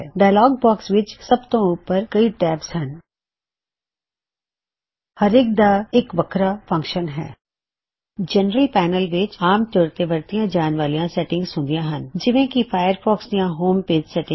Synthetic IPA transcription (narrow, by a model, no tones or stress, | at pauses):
ɛɖaːlɔːɡ̚bɔːksʋɪt͡ʃsɐbt̪õuːpəɾkɐiʈɛːpsɦɛ̃n | hɐɾɪːk̚d̪aeːkʋɐkʰɾafɐ̃ŋkʃənɦɛ̰ː | d͡ʒɛnɾəlpɛːnəlʋɪt͡ʃaːmt̪oːɾt̪eʋəɾt̪ijãd͡ʒaːnʋaːlijãsɛːʈɪ̃ŋɡzsʊ̃nd̪ijãɦɐnd͡ʒɪʋẽkifʰaːɪjəɾfʰɔːksijãɦoːmpeːd͡ʒsɛːʈɪ̃